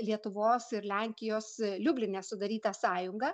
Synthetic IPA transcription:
lʲiɛt̪ʊʋoːsɪɾlʲæŋʲkʲɪjoːslʲʊbʲlʲɪnʲɛːsʊd̪ɐɾʲiːt̪ɐsɑːjʊŋɡɐ

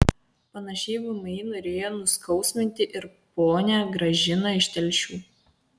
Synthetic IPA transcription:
pɐnɐʃʲɛɪʋʊmɐɪnoːɾʲeːjoːnʊskɒʊsʲmʲɪnʲt̪ʲɪʔɪɾpoːnʲæːɡɾɐʒʲɪnɐɪʃʲt̪ʲɛlʲʃʲuː

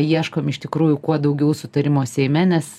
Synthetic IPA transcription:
jiɛʃkomɪʃt̪ʲɪkɾuːjʊkuɔd̪ɐʊɡʲɛʊsʊt̪ɐɾʲɪmoːsʲɛɪmʲɛnʲɛs

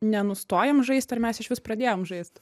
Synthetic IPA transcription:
nʲɛnʊst̪oːjɛmʒɐɪsʲt̪ɐrmʲɛsɪʃʋʲɪspɾɐd̪ʲeːjoːmʒɐɪst̪

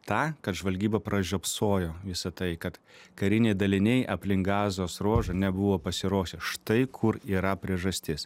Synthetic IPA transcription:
t̪ɑːkɐt̪ʒʋɐlʲɡʲiːbɐpɾɐʒʲoːpsoːjoːʋʲɪsɐt̪ɐɪkɐt̪kɐɾʲɪnʲɛɪd̪ɐlʲɪnʲɛɪʔɐpʲlʲɪŋɡɑːzoːsɾoːʒɐnʲɛbʊʋoːpɐsʲɪɾoːʃʲɛʃt̪ɐɪkʰʊɾiːɾɐpʲɾʲiɛʒɐsʲt̪ʲɪs

